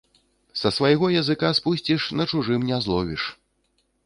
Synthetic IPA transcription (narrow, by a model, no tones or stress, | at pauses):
sɐsvajɣɔjɐzɨkaspusʲt͡sʲiʂnɐt͡ʂuʐɨmnʲazlˠɔvʲiʂ